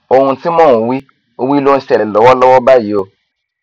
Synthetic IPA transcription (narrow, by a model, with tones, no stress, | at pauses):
o˨hũ˧ti˦mɔ̃˦˨ũ˨wi˦ | o˦wi˦lo˦ũ˧˦sɛ˨llɔ˨wɔ˦lɔ˦wɔ˦ba˦˨ji˨˦o˨